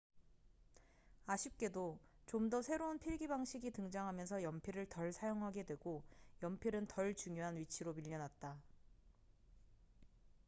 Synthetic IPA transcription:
aɕʰip̚k͈e̞dot͡ɕomdʌsʰe̞ɾounpʰiɾɡibaŋɕʰiɡitɯŋd͡ʑaŋɦamjʌnsʰʌjʌmpʰiɾɯɭtʌɭsʰajoŋɦaɡe̞dwe̞ɡojʌmpʰiɾɯntʌɭt͡ɕuŋjoɦanɥit͡ɕʰiɾomiʎːʌnɦat̚t͈a

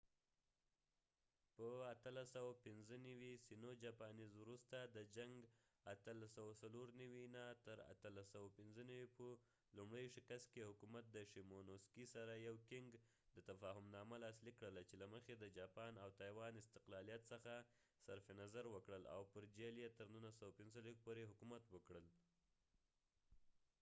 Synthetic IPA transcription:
pəat̪əlasawapɪnzənawisinod͡ʒɑpɑnizwɾust̪ad̪əd͡ʒaŋɡ | at̪əlasawasaloɾnawinat̪əɾa̰t̪əlasawapɪnzənawipə | lumɽəjʃɪkast̪̚kehʊkumat̪̚d̪əʃimonoskisaɾajawkɪŋɡ | d̪ət̪afɑɦʊmnɑmalɑslikːɽəlat͡ʃelaməxed̪əd͡ʒɑpɑnawt̪ɑjwɑnɪst̪ɪqlɑlijat̪səxa | saɾfenazaɾwəkɽəla̰wpəɾd͡ʒeljet̪əɾnunlasawapɪnzəlek̚poɾeɦʊkumat̪wəkɽəl

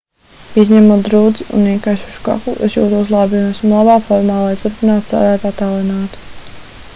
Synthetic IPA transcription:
izɲɛmuːt̪d̪ɾuːd̪ziʔṵniɛkajʃuʃka̰kuʔesjṵːt̪uslˠaːbiunɛsmlˠabaːfɔɾmaːlˠajt̪uɾpinaːt̪t̪sa̰ɾaːjpat̪aːlˠinaːt̪

